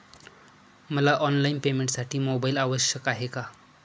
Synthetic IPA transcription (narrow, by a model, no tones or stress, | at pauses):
məlaʔɔnlainpemẽɳʈsaʈʰiːmobailaʋəɕjəkaɦeka